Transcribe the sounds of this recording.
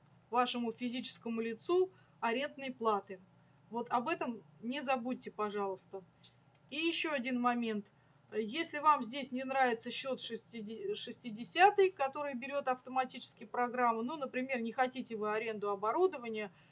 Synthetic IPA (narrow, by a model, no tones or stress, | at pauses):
vaʂɨmʊfʲɪzʲit͡ɕɪ̥skəmʊlʲɪt̪su | ɐɾʲe̞nd̪nəjplˠat̪ɨ | vo̞t̪ɐbɛt̪əmnʲɪzɐbut̚ʲːɪpɐʐɑlˠəst̪ə | ijɪɕːo̞ɐdʲinmɐmʲe̞nt̪ | jesʲlʲɪvamzʲdʲesʲnʲɪnɾavʲɪt̪səɕːo̞t̪ʂɨɪʂɨsʲtʲɪdʲɪsʲat̪ɨjkɐt̪o̞ɾɨjəbʲɪɾʲo̞t̪ɐft̪əmɐtʲit͡ɕɪ̥skʲɪjpɾɐɡɾamːɨnunəpɾʲɪmʲe̞rnʲɪxɐtʲitʲɪvɨɐɾʲe̞nd̪ʊɐbɐɾud̪əvənʲɪjə